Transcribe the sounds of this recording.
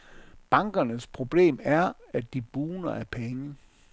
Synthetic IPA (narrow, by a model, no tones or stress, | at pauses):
b̥ɑ̈ŋɡ̥ɐnəspʰʁo̝b̥le̝̰ːmæɐæ̥d̥ib̥uːnɐʔæɐpʰeŋə